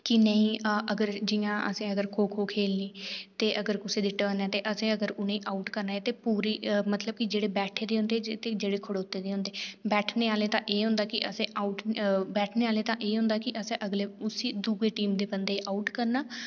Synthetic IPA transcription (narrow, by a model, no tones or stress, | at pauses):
kɪnəĩːəɡəɾd͡ʒɪjãːʔə̰sẽːəɡəɾkʰoːkʰoːkʰeːlniːt̪eːʔəɡəɾkʊseːd̪iːʈəːnɛːt̪eːʔəsẽːəɡəɾʊnẽːʔaːuʈkəɾnaːeːt̪eːpuːɾiːmət̪ləb̚kɪd͡ʒeːɽeːbɛːʈʰeːd̪eːɦʊ̃nd̪eːt̪eːd͡ʒeːɽeːkʰʊɽeʊt̪ːeːd̪eːɦʊ̃nd̪eːbɛːʈʰneːaːleːt̪ãːʔeːɦʊ̃nd̪aːkɪʔəsẽːʔaːʊʈbɛːʈʰneːaːleːt̪ãːʔeːɦʊ̃nd̪aːkɪʔəsẽːʔəɡleːʊsiːd̪ʊɡeːʈiːmd̪eːbənd̪eːʔaːuʈkəɾnaː